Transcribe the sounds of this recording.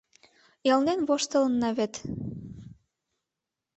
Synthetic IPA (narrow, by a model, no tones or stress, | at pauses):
jɑlnenβoʃt̪ɤ̆lɤ̆nːɑβet̪